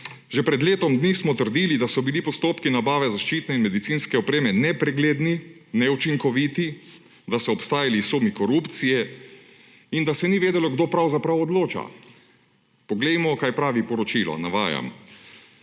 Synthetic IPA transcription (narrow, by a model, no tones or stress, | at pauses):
ʒɛpɾɛd̪leːt̪ɔmd̪nismɔt̪əɾd̪iːlid̪asɔbilipɔst̪oːpkinabaːʋɛzaʃt͡ʃit̪nɛinmɛd̪it̪siːnskɛɔpɾeːmɛnɛpɾɛɡleːd̪ni | nɛut͡ʃiŋkɔʋiːt̪i | d̪asɔːpst̪aːjalisumikɔɾupt̪sijɛ | ind̪asɛniʋeːd̪ɛlɔɡd̪oːpɾawzapɾawɔd̪loːt͡ʃa̰ | pɔɡlɛjmɔkaːjpɾaːʋipɔɾɔt͡ʃilɔ̰naʋa̰ːja̰m